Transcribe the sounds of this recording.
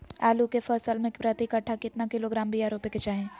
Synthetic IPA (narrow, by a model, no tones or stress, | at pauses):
aːlukefʰəssəlmẽkpɾət̪ikɐʈʰːakɪt̪nakɪloɡɾaːmbʱiaːɾoːpeket͡ʃaːɦẽː